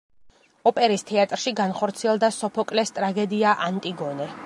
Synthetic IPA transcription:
ɔpʼɛɾist̪ʰɛat̪ʼɾʃiɡanχɔɾt̪sʰiɛlˠd̪asɔpʰɔkʼlɛst̪ʼɾaɡɛd̪iaʔant̪ʼiɡɔnɛ

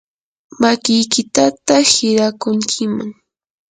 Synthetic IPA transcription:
makɪjkɪt̪at̪ahɪɾakʊŋkʰɪmaŋ

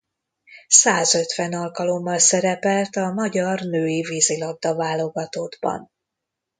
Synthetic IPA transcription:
saːzø̞t̪ʋɛnɒlkɒlo̞mːɒlsɛɾɛpɛlt̪ɒmɒɟɒrnøːjiviːzilɒɡ̚d̪ɒvaːlːo̞ɡɒt̪oːd̪bɒ̰n

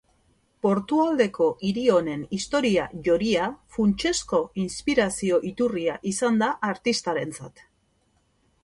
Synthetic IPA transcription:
po̞ɾt̪uald̪e̞ko̞ʔiɾio̞ne̞nist̪o̞ɾiaʝo̞ɾiafunt͡ʃe̞sko̞inspiɾasio̞ʔit̪uriaʔisand̪aʔːɾt̪ist̪aɾe̞nt͡sat̪

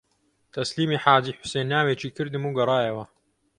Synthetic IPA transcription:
t̪ʰɐsliːmiːħaːd͡ʒiːħʊ̥seːnːaːweːt͡ʃʰiːkʰɨɾd̪ɨmuːɡɐɾˤɑːjɐwɐ

